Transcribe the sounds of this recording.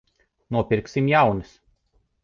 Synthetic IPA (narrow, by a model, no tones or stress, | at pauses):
nuɔpʲiɾksʲimjawnɨs